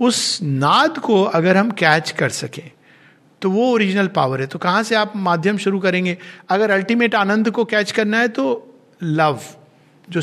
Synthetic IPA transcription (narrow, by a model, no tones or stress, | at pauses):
ʊsnaːd̪koɐɡəɾɦɐmkɛːt͡ʃkɐɾsɐkẽː | t̪oʋooːɾɪd͡ʒnəlpa̰ːʋəɾɦɛt̪okɐɦãseaːpmaːd̪ʱjəmʃʊɾukɐɾẽːŋɡeːɐɡəɾɐlʈimeːʈaːnə̃nd̪kokɛːt͡ʃkɐɾnaɦɛt̪o | lɐʋ | d͡ʒoː